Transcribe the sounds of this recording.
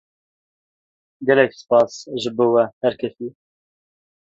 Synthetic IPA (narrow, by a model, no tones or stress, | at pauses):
ɡɛlɛksɨ̥pɑːsʒɨboːwɛhɛɾkʰɛsiː